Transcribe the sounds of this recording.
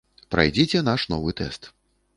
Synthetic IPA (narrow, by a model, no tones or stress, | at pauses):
pɾa̰jd͡zʲit͡sʲɛnaʂnɔvɨt̪ɛ̰st̪